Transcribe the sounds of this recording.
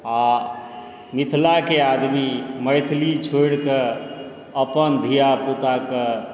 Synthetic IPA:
a | mit̪ʰlakead̪miməjt̪ʰlit͡ʃʰojɽke | əpənd̪ʱijaput̪ake

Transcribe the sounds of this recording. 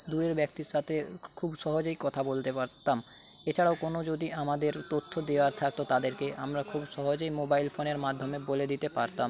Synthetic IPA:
d̪uɾeɾbɛk̚t̪iɾʃat̪ʰe | kʰubʃɔɦod͡ʑoikɔt̪ʰabolt̪epaɾt̪am | et͡ɕʰaɽaokonod͡ʑod̪iamad̪eɾt̪ot̪ʰːod̪eoaɾt̪ʰak̚t̪ot̪ad̪eɾkeʔa̰mɾakʰubʃɔɦod͡ʑoimobailfoneɾmad̪ʱːomeboled̪it̪epaɾt̪am

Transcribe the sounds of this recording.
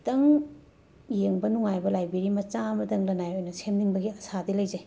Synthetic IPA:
tɐŋ | jeŋbɐnuŋajbɐlajbiɾimɐt͡ʃamɐtɐŋlɐnajojnɐsʰemniŋbɐɡiɐsadilɐjze

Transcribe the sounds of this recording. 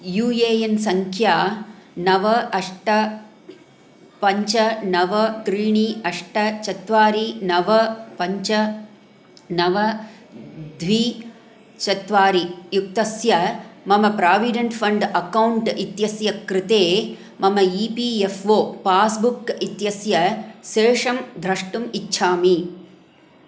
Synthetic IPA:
juːjeːjensɐŋkʰjaːnɐʋɐɐʂʈɐ | pɐɲt͡ʃɐnɐʋɐt̪ɾiːɳiɐʂʈɐt͡ʃɐt̪ʋaːɾinɐʋɐpɐɲt͡ʃɐ | nɐʋɐ | d̪ʱʋiː | t͡ʃɐt̪ʋaːɾijukt̪ɐsjɐmɐmɐpɾaːʋiɖɐɳʈpʰɐɳɖɐkɐwɳʈit̪jɐsjɐkɾɪt̪eː | mɐmɐiːpiːefʋoːpaːsbukit̪jɐsjɐʃeːʂɐmd̪ʱɾɐʂʈumitːʃʰaːmi

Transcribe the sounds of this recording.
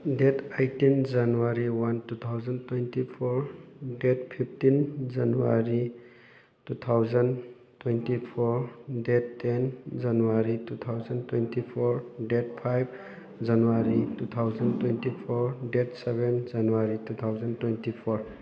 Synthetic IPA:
detʰajtind͡ʒanuwaɾiwantut̪ʰawzəntwentipʰɔɾdetpʰip̚ʰtind͡ʒanuwa̰ɾi | tut̪ʰawzən | twentipʰɔɾdetːend͡ʒanuwaɾitut̪ʰawzəntwentipʰɔɾdet̚pʰajb̚ | d͡ʒanuwaɾitut̪ʰawzəntwentipʰɔɾdetsebend͡ʒanuwaɾitut̪ʰawzəntwentipʰɔɾ

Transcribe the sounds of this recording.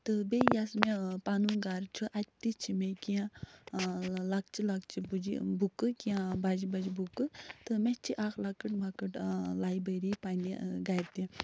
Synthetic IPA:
t̪ɨbejasmepanuɡaɾt͡ʃʰiʔat̪̚ʲt̪it͡ʃʰimekiã | lak̚t͡ʃilak̚t͡ʃibud͡ʒḭbukːɨkijãbad͡ʒibɐd͡ʒibukɨt̪ɨmet͡ʃʰiʔakʰlakɨʈmakɨʈlajbəjɾipaniɡajɾt̪i

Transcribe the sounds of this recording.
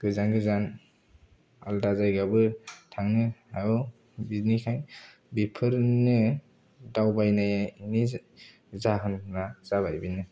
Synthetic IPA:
ɡ̥ɯzanɡɯzan | a̰ldazajɡabɯtʰaŋnɯajɔ | biznikʰajn | bipʰɯɾnɯ | dawbajnajaini | zaɦɯnːaz̥aβajbinɯ

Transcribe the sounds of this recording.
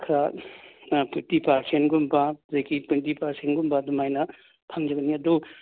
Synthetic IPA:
kʰɾa | pʰitipaɾsʰenɡumbazajkipentipaɾsʰenɡumbadumajnɐ | pʰaŋd͡ʒɐɡɐniɐdu

